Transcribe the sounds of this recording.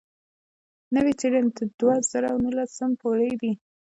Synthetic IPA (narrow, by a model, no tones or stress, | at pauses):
nəwit͡seɽant̪əd̪̥waz̥aɾawnəlasəmpoɽəjd̪i